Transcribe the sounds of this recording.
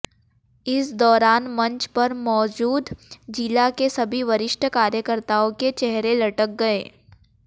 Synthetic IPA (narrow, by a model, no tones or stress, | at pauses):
ɪsd̪ɔːɾaːnmɐ̃ɲt͡ʃpɐɾmɔːd͡ʒuːd̪d͡ʒilakesɐbʱiʋɐɾɪʃʈʰəkaːɾjəkəɾt̪aõket͡ʃɛɦɾelɐʈək̚ɡɐeː